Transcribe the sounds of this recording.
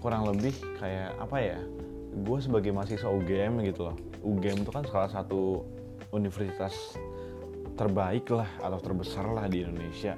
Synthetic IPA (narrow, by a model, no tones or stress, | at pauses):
kuɾaŋləbɪhkajaa̰paja | ɡuas̬əbaɡajmasisauɡeɛmɡit̪ulɔh | ʔuɡɛmt̪ukansə̥kalasat̪u | unifərsit̪as | t̪ərbaɪklaha̰t̪awt̪ərbəsarlahdiːndonesia